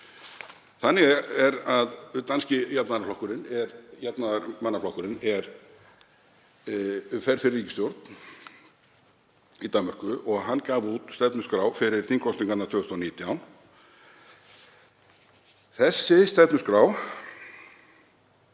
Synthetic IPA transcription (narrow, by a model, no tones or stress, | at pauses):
θanːɪɣɛɾaðt̪anscɪjat̪naðaɾflɔhkʏɾɪnɛɾjat̪naðɾmanːaflawkʏɾɪnɛɾ | fɛɾ̥fɪɾɪrːiːcɪst̪jowɾt̪n | it̪amːœr̥kʏʔɔɣɦanːkaːvuːt̪st̪ɛp̪nʏskɾaːwfɪɾɪɾ̥θiŋkʰɔsniŋkanat̪ʰʏœɣʏst̪ɔniːt̪jawn | θɛsːɪst̪ɛpnʏskɾaːw